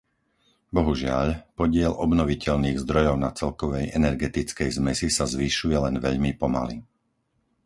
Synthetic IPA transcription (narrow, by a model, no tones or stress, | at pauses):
bɔɦuʒɪa̰ʎpɔɟɪɛlʔɔbnɔʋicɛʎniːɣzd̪ɾɔjɔʊnat͡sɛlkɔʋɛjɛnɛɾɡɛt̪it͡skɛjzmɛsisazʋiːʃujɛlɛnʋɛ̰ʎmipɔma̰li